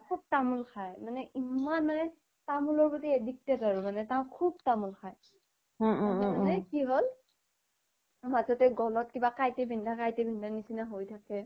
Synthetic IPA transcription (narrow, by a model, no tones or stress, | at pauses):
kʰub̚tamulkʰajmanɛʔimmanmanɛ | tamulɔɹbɔtiedik̚tɛtaɹumanɛtaʊ̃kʰub̚tamulxʰaj | manɛkiɦol | mazɔtɛɡɔlɔt̚kibakajtɛbʱindʱakajtɛbʱindʱanisinaɦojtʰakɛ